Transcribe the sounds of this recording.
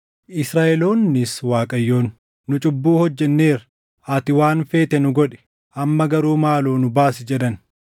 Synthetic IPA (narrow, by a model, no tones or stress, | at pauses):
ʔɪsɾaːʔɛlo̞ːnːɪswaːkʼɐjːo̞ːnː | ʊt͡ʃʼʊbːuːhɔd͡ʒːɛnːe̞ːɾ | ʔɐt̪ɪwaːnfe̞ːt̪ɛnʊɡɔᶑɛ̥ | ʔɐmːɐɡɐɾuːmaːloːnʊbaːsɪd͡ʒɛᶑɐn